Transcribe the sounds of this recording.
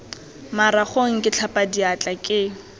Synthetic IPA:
maɾaχoŋ̩kʼɪt͡ɬʰapʼadiat͡ɬʼakʼɪ

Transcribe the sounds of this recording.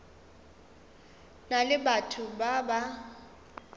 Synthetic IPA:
nalɪbatʰubaba

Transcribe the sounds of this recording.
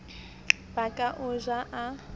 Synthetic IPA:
b̥akʼaʔʊʒaʔa

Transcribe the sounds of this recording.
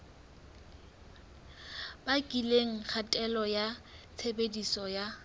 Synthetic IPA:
bakʼileŋ̩k͡xʰatʼɛlɔjat͡sʰebedisɔja

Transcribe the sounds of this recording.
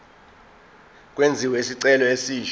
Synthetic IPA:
k̬ʼwend͡zʱiwɛisiǀɛlɔesiːʃ

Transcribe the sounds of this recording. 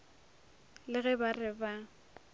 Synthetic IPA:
lɪɣɛbarɪba

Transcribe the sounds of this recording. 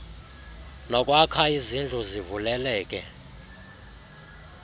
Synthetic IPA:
nɔkʼwakʰaizind͡ɮʱuzivulɛlɛːkʼɛ̰

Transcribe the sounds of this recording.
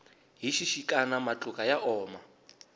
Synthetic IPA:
ɦiʃiʃikʼanamat͡ɬʼukʼajaʔɔːma

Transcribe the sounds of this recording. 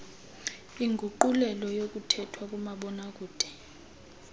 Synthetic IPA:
iŋɡʱuǃulɛlɔjok̬ʼutʰɛtʰwak̬ʼumaɓɔnak̬ʼuːd̥ʱɛ̥

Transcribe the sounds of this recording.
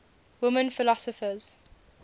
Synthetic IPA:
wʊmə̃nfɪlɔsɔfəz̥

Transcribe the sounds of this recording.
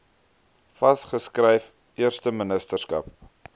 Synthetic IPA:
fɐsχəskrɛjf | ʔiərstəmənəstərskɐ̰p̚

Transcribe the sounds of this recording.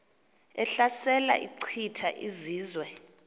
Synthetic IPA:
ɛɬasɛla̰ʔiǀʰitʰaʔiziːzwɛ

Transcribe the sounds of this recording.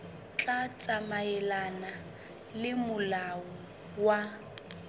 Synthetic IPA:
t͡ɬʼat͡sʼamaɛlana | lɪmʊlaɔ | wa

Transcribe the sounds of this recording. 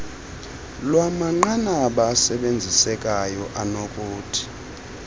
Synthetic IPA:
lwamaŋ͡ǃanaɓasɛɓend͡zʱisɛkʼajɔʔanɔkʼoːtʰi̥

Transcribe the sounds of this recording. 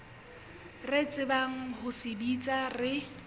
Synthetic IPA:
ret͡sʼɪbaŋ̩hʊsɪbit͡sʼarɪ

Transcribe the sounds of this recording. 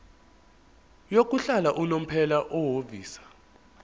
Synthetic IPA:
jok̬ʼuɬalaʔunom̩pʰɛlaʔoɦoviːsḁ

